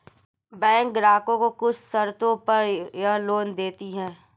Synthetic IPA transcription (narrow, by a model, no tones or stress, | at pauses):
bɛ̃ːŋk̚ɡɾaːkõkokʊt͡ʃʰsɐɾt̪õpɐɾjɐɦloːnd̪eːt̪iɦɛː